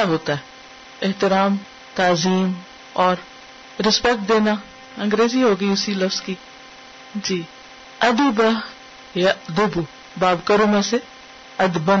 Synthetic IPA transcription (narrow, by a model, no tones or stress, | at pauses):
aɦoːt̪aɦɛ | ɪɦt̪ɪɾaːm | t̪aːziːm | ɔːɾ | ɾɪspɛk̚ʈ̚d̪eːna | ɐ̃ŋɡɾeːziɦoːɡəiʊsilɐfzki | d͡ʒiː | ɐd̪ibə | jad̪ʊbu | baːbkəɾomẽse | ɐd̪bən